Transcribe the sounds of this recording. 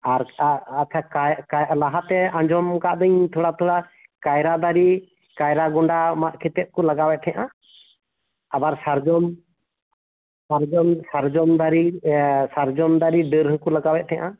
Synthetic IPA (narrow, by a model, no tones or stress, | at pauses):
aɾat͡ʃʰakakalaɦat̪ɛãɲd͡ʒɔmkaʔd̪əɲt̪ʰuɽat̪ʰuɽa | kajɾad̪aɾi | kajɾaɡuɳɖamaʔkʰit̪ɛt̪̚kɔlaɡawɛt̪̚ˀʰɛaʔa | abaɾsaɾd͡ʒɔm | saɾd͡ʒɔmsaɾd͡ʒɔmd̪aɾisaɾd͡ʒɔmd̪aɾiɖəɾɦkɔlaɡawɛt̪̚t̪ʰɛ̃aʔa